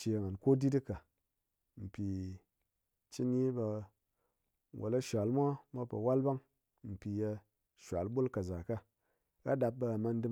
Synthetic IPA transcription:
t͡ʃi˧˨ŋa˨nko˦di˦di˦ka˨ | m̩˨pʲi˨ | t͡ʃi˦ni˦ba˧ | wʔo̰˨la˦ʃʷa˨lmʷa˦mʷa˦pɐ̰˨wa˦lba˦ŋ | m̩˨pʲi˨ja˧ | ʃʷa˨lbu˦lka˨za˨ka˦ | ɾa˦da˧p̚bɐ˧a˨ma˧n˦dɨ˦

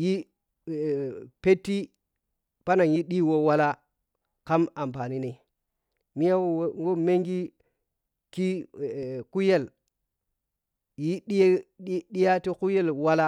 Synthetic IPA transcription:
ji˦˨ | pe˦tːi˦ | pa˦na˨ŋji˦ɗi˦wo˦wa˦la˦ | ka˦ma˨mpa˨ni˦ne˨ | mi˦ja˦wo˦ŋɡo˦me˦ŋɡi˦ | ki˦˨ | ku˦je˦˨l | ji˦ɗi˦ɗi˦ɗi˦ja˦ti˦ku˦je˦lwa˦la˦

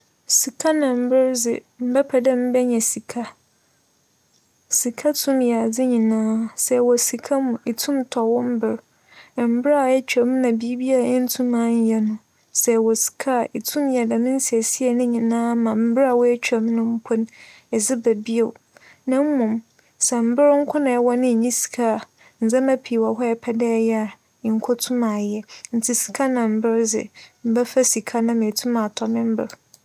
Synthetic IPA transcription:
si˨kʰa˦nã˨m̩˦bɪ˦ɾd͡zɪ̰˨ | m̩˦˨bɛ˦pʰa˨dɛ˦m̩˦bɛ˦ɲɛ̃˨si˨kʰa˦ | si˨kʰa˦tʰũ˦mja˨d͡zɪ˦ɲĩ˨nãː˦sɛ˨wɔ˨si˨kʰa˦mʊ̃˨ʔi˨tʰũ˦mtʰɔ˨wʊ̃˦m̩˦bɪ˨ɾ | m̩˦bɪ˦ɾa˨ɛ˦t͡ɕᶣɛ˨m˦nã˨bi˦bi˦a˨ɛ˦n̩˦tʰũ˦mã˨˦ɲ̩˦jɛ˦nʊ̃˦ | sɛ˨wɔ˨si̥˨kʰa˦˨i˨tʰũ˦mjɛ˨da˨mɪ̃˦n˦si˨ɛ˨si˦ɛ˨nʊ̃˦ɲĩ˨nãː˦mã˨m̩˦bɪ˦ɾa˨wɔ˦ɛ˦t͡ɕᶣɛ˨mnʊ̃˦m̩˦pʰʊ˦n | ɛ˨zɪ˦bæ˨bi˦e˨ | nã˦m̩˦mʊ̃˨m | sɛ˨m̩˦bɪ˦ɾŋ̩˦kʷʰʊ˦nã˨ɛ˦wɔ˦nɪ̃˦˨ɲĩ˦si̥˨kʰa˦˨ | n̩˨d͡zã˦mã˦pʰiː˨wɔ˨ɦɔ˦ɛ˨pʰɛ˦dɛ˦jɛ˦a˨ | ŋ̩˨kʰo˦tʰũ˦mã˨jɛ˦n̩˨tʰɪ˨si̥˨kʰa˦nã˨m̩˨bɪ˦ɾd͡zɪ̰˨m̩˨bɛ˦fa˦si˨kʰa˦nã˦mɪ̃˨tʰũ˦mã˨tʰɔ˨mɪ̃˦m̩˦bɪ˦˨ɾ

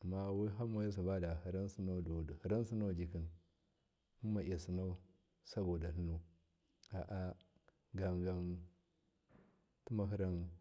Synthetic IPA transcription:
a˨ma˦˨wi˦ɦa˦ma˨ja˦s̬a˨ba˦da˨hi˨ɾa˦nsi˦na˦˨hi˨ɾa˦n˦si˦na˦˨d͡ʒi˨ki˨n | mu˦ma˨ʔa˨si˨na˦u˦ | sa˦bo˨da˨nu˦nu˦ | a˨ʔa˦ | ɡa˨ŋɡa˨n | tu˦ma˨ɦi˦ɾa˦n

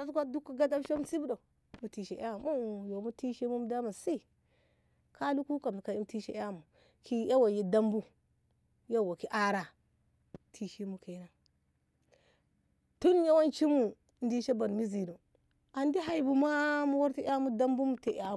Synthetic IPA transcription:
a˦skʷa˦du˦kːu˨ɡa˦da˦ʃo˦m˦si˦bu˦do˨ | mu˨ti˨ʃe˨ʔa˦˨mu˦˨jo˨mu˦ti˦ʃi˦mu˦m˦da˦ma˨si˦ | kʰa˦lu˦ku˦ka˨m˨ka˨i˦m˨ti˦ʃḛ˦a˦˨mu˨ | ki˦a˦wa˨ji˦da˦mbu˦ | ja˦˨wa˨ki˦ʔa˦ɾa˨ | tʰi˨ʃi˦mu˦ke˨˦na˨ | tu˦n˦ja˦wa˦nt͡ʃi˦mu˨ | n˦di˦ʃe˦ba˨n˨mi˦zi˨nu˨ | a˨ndi˦ɦa˨i˨bu˨ma˦mu˦wa˦ɾti˦a˦mu˦da˦mbu˦mu˨te˨ʔa˨

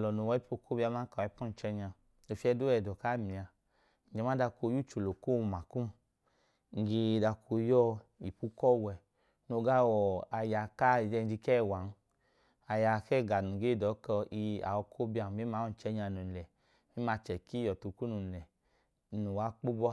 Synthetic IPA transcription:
lɔ˨no˨wɔ˧˦i˦po˧kʰo˦bi˦a˧˦ma˦ka˨ɛ˧˦pu˦n̩˨t͡ʃɛ˧ɲa˧ | no˨fi˧˦ɛ˧do˦ɛ˧˨dɔ˨ka˦mi˨a˧ | n̩˨d͡ʒɛ˨˦m˦a˦da˧ko˧˦ju˦˨t͡ʃo˨lo˨ko˦˧ma˨ku˦m | ŋ̩˨ɡe˧da˧kʰo˧jɔ˦i˨pu˦kɔ˦˨wɛ˧ | no˧ɡa˦wɔ˨a˧ja˨ka˦i˨ɛ˧n˦d͡ʒi˧kɛ˦˨wa˨˦n˦ | a˧ja˧˨kɛ˦˨ɡa˨nu˨ɡe˦˨dɔ˨˦kɔ˧i˧a̰˨wɔ˧kʰo˦bi˧a˧˨me˨˦ma˨˦ɔ˦n̩˨t͡ʃɛ˧ɲa˧nu˨lɛ˨ | mi˦ma˧t͡ʃɛ˨ki˦jɔ˨tu˧ku˦nu˨lɛ˨ | nu˨wa˨˦k͡po˦bɔ˦

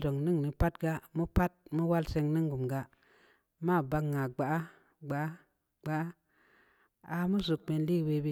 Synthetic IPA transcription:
do˨ŋni˦ŋni˨pa˦tɡa˧mu˦pa˦t̚mu˦wa˦lse˧ŋni˦ŋɡu˨mɡa˧ | ma˦˨ba˧kŋːa˨ɡ͡ba˨ʔa˦ | ɡ͡ba˨ʔa˦ | ɡ͡ba˨ʔa˦ | a˧mu˦zu˨k̚me˧˨nli˦˨we˧bi˦

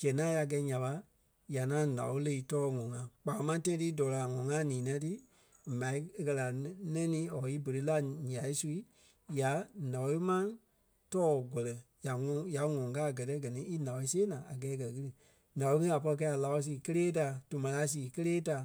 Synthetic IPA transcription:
d͡ʒɛ˨nã˨˦ja˧ɡɛ˧˦ɲã˨ɓa˧ | ja˨ŋã˨˦nã̰˨wo˧˦le˧i˧tɔː˦˨ŋɔ̃˨ŋã˨k͡paː˨˦mã˧˦tɛ̃˦ĩ˦ti˦dɔː˨la˨ŋɔ̃˨˦ŋã˦nĩː˨˦n˦ã˧˦tɨ˦˨ | mã˨i˦e˧kɜ˧la˨nɛ̃˦nĩː˨˦ɔ˨i˦bə˨ɾe˧˦la˦ɲã˨i˦su˧i˦ | ja˨˦nã˨˧i˦mã˦ | tɔː˦˨ɡʷɔ˨lɛ˨ja˨ŋɔ̃˧˨ja˨˦ŋɔ̃˨kaː˦˨ɡɜ˨tɛ˦ɡɜ˨nĩ˦i˦nã˨wɔ˧i˦seː˦nãː˨a˨ɡɛː˨˦˧kɜ˨ɣɨ˦ɾɨ˧ | nã˨o˧˦ŋĩ˦a˨pɔ˧i˧k̬ɛ˧˦a˨la˧˦wɔ˧˦s̬iː˧˨kə˦leː˦ta˨˧˨tu˨mã˨˧la˧˦s̬iː˨kə˦leː˦ta˧˨

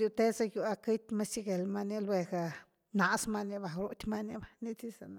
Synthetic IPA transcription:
ɾju˧t̪e˦sa˧ju˧a˧ki˦t̪ʲma˦si˦ɡe˨lma˧ni˦lwe˧ɡa˧ | na˧sma˧ni˧ba˨ɾu˧t̪ʲma˦ni˧ba˨ni˦t͡si˦sa˨na˧

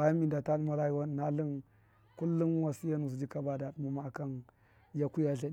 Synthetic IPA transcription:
a˨ja˦mi˨nda˨ta˦n˦ma˦ɾa˦ji˦wa˦n˨na˦li˦n | ku˦lːu˦n˦wa˨si˦ja˦nu˨s̬d͡ʒi˦ka˦ba˨da˨ɗu˦mu˨ma˨ka˦n | ja˨ku˦ja˦˨ɬa˨

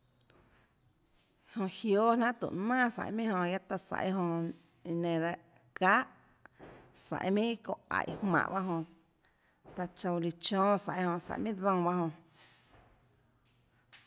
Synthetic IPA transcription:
hõ˧ʔhjoː˦nã˦ʔt̪ṵ˨ʔnãː˦˨sa̰˨jmĩ˦ʔhõ˧ja˦t̪a˧sa̰˧˨ʔjɦõ˧ | nẽ˨d̪a˧ʔ | kaː˦ʔ | sa̰˨ʔmĩ˦ko˧˨a̰˨jhmã̰˧˨ʔba˦ɦõ˧ | t̪a˧t͡ʃõ˧wli˧t͡ʃɔ̃ː˦sa˨ʔjhõ˧sa̰˨mĩ˦d͡zɔ̃˧ba˦hõ˧

